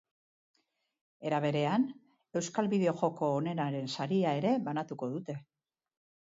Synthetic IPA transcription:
e̞ɾaβ̞e̞ɾe̞an | e̞wskalβiðe̞o̞ʝo̞ko̞ːne̞naɾe̞nsaɾiae̞ɾe̞βanat̪uko̞ðut̪e̞

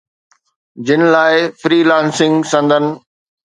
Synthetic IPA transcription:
d͡ʑɪnɪ̆laːɪfɾiːlãːnsɪ̃ŋɡsɐ̃nd̪ʱənɪ̆

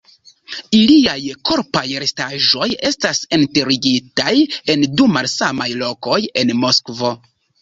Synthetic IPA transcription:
iliajko̞ɾpajɾestaʒo̞je̞stasenteɾiɡitaje̞ndumalsamajlo̞ko̞je̞nmo̞skvo̞

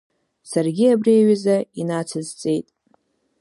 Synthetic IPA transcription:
sarɡʲiabriaɥazainat͡sʰɨzt͡sʼe̞jtʼ

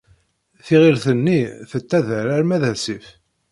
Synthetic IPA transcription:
θiʁiɾθənːiθət̪ːæðəɾæɾmæðæsif

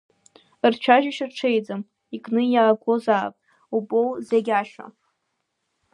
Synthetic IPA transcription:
rt͡ʃʷʰaʒiʃɨrʈ͡ʂʰejd͡zam | ikʼnɨjaːɡʷozaːpʼ | ubʼowzeɡʲaʃa̰

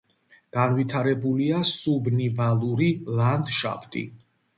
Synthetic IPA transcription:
ɡ̥anvit̪ʰaɾɛbuliasubnivalˠuɾiland̪ʃa̰pʰt̪ʼḭ

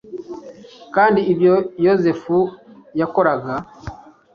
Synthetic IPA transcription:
kaːndiːbjojoze̞fujako̞ɾaɡa

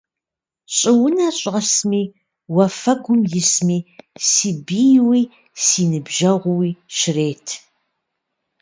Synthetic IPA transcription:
ɕʼɪwʊnɐɕʼʁɐsmiː | wɐfɐɡʷʊmjɪsmiːsiːbiːjwiː | siːnɨbʒɐʁʷʊwiːʃɪreːtʰ

